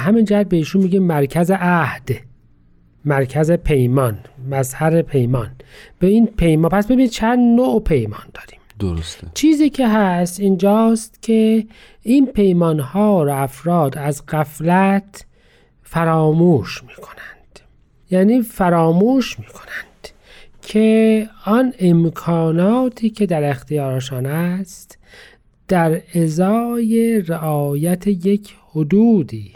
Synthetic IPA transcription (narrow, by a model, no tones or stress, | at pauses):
ɦæmind͡ʒæhæd̪̚beiːʃunmiːɡimmæɾkʰæzeʔæhd̪̥ | mæɾkʰæzepʰe̞jmɒːnmæzhæɾepʰe̞jmɒːnb̥einpʰejmɑːpʰæsbe̞binid̪̚t͡ʃʰænd̪noʔpʰe̞jmɒ̰ːnd̪̥ɒːɾi̥ːmd̪oɾost̪t͡ʃʰiːziːcʰeɦæst̪ind͡ʒɒːst̪cʲʰe̞ | iːnpʰe̞jmɒːnhɒːɾoæfɾɒːd̪æzɣæflæt̪ | fæɾɒːmuːʃmi̥ːkʰo̞̥nænd̪̥ | jæːniːfæɾɒːmuːʃmiːkʰo̞̥nænd̪̥ | kʰeɔnemkʰɒːnɒːt̪ʰiːcʰe̞d̪æɾext̪ijɒːɾeʃɑːnæst̪ | d̪̥æɾezɒːjeɾeʔɒːjæt̪ʰejecʰhod̪uːd̪iː